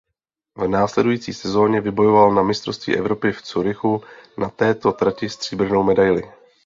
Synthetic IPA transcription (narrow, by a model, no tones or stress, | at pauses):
vnaːslɛdujiːt͡sḭːsɛzo̞ːɲɛvɪbo̞jo̞valnamɪst̪ɾo̞fst̪vḭːʔɛvɾo̞pɪft͡suɾɪxunat̪ɛːt̪o̞t̪ɾacɪst̪r̝̥iːbr̩no̞wmɛdajlɪ